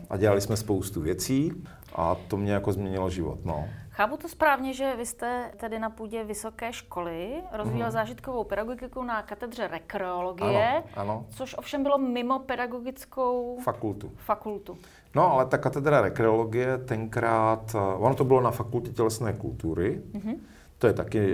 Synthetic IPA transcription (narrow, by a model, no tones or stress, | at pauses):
ʔa̰ɟɛlalɪsmɛspowst̪uvjɛt͡siː | ʔa̰t̪omɲɛjakozmɲɛɲɪlʒɪvo̰t̪no̰xaːput̪ospɾaːvɲɛʒɛvɪst̪ɛt̪ɛdɪnapuːɟɛvɪsokɛːʃkolɪɾozviːjɛlzaːʒɪt̪kovowpɛdaɡoɡɪkownakat̪ɛd̪r̝ɛɾɛkɾɛoloɡaɪnjɛʔanot͡soʃʔofʃɛmbɪlomɪmopɛdaɡoɡɪt͡skowfakult̪ufakult̪u | noalɛt̪akat̪ɛd̪ɾaɾɛkɾɛoloɡɪjɛt̪ɛŋkɾaːt̪onot̪obɪlonafakulcɛcɛlɛsnɛːkṵlt̪uɾɪɦ̩ | t̪ojɛt̪akɪ